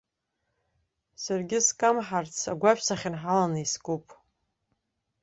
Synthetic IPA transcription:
sarɡʲɪskʼamħart͡sʰa̰ɡʷaʃʷᶣsaχʲɪnħalanaiskʼupʼ

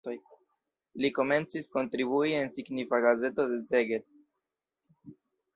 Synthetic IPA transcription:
oj | liko̞me̞nt͡sisko̞ntɾibuie̞nsiɡnifaɡaze̞to̞de̞ze̞ɡed

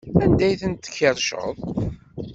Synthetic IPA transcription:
ænd̪æjθənt̪ːə̥çːeɾˤʃə̰ðˤ

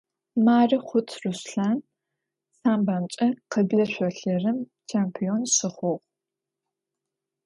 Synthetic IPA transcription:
maːriχʷʊtʰrusɬaːn | saːmbaːnt͡ʃʼɐqəbɮɐɕʷɔɬɐrɨm | t͡ʃʰeːmpʰijonɕɪχʷɔʁʷ

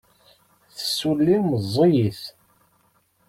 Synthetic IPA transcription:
θə̥sːulːiməzˤːijiθ

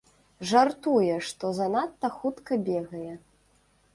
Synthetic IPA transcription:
ʐart̪ujɛʂt̪ɔzanat̪ːɐxut̪kɐbʲɛɣɐjɛ

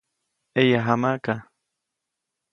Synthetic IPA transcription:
ejaɦamaka

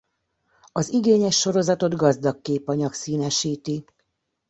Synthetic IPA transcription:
ɒziɡeːɲɛʃːo̞ɾo̞zɒt̪o̞d̪ɡɒzd̪ɒkːeːpɒɲɒksiːnɛʃiːt̪i

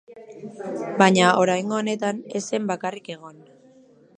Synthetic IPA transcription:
baɲao̞ɾajŋɡo̞ːne̞t̪ane̞se̞mbakarike̞ɣ̞o̞n

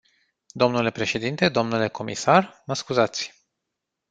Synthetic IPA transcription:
d̪o̞mnule̞pɾe̞ʃe̞d̪int̪e̞d̪o̞mnule̞ko̞mḭsarməskuzat̪sʲ

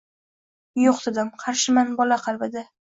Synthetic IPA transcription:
joqd̪ɪd̪ɪmqʰɑɾʃɪmanbɒlaqʰɑlˠbɪd̪ɪ

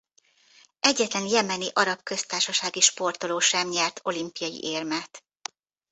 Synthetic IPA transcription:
ʔɛɟːɛt̪lɛnjɛmɛniʔɒɾɒpkø̞st̪aːrʃɒʃaːɡiʃpo̞rt̪o̞loːʃɛmɲɛrt̪ʰo̞limpijɒjḭʔeːrmɛt̪

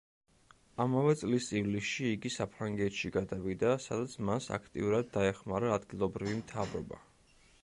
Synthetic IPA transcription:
amavɛt̪sʼlisʼivlisʃiːɡisapʰɾaŋɡɛt̪ʃiɡad̪avid̪asad̪at̪sʰmasa̰kʰt̪ʼḭuɾad̪ːaɛχmaɾaːd̪ɡilˠɔbɾivimt̪ʰavɾɔ̰ba̰

